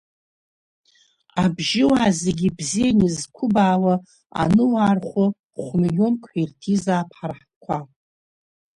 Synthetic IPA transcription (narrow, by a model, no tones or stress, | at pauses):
abʒɪwaːzeɡʲibzijanizkʷʰʊbaːla | a̰nɨwarχʷʊ | χʷmijʲomkʷʼʰħirtʰizaːpʰħarħ | kʷʰa